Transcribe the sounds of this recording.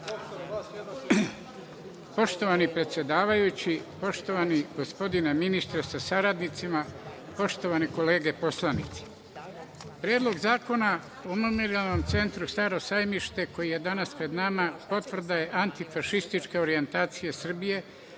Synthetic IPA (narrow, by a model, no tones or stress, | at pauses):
po̞ʃt̪o̞ʋanipɾe̞t̪sʲje̞d̪aːʋajut͡ɕipo̞ʃt̪o̞ʋaniɡ̥o̞spo̞d̪ineminist̪ɾesasaɾad̪nit̪sima | po̞ʃt̪o̞ʋaniko̞le̞ːɡe̞po̞slˠanit̪si̥ | pɾjeːd̪lˠo̞ɡzaːko̞na | omumeɾialno̞mt̪se̞nt̪ɾust̪aɾo̞sajmiʃt̪e̞ko̞jije̞d̪anaspɾe̞d̪namapo̞t̪vr̩d̪aje̞ʔant̪ifaʃist̪it͡ʃkeo̞ɾie̞nt̪aːt̪sijesr̩bije̞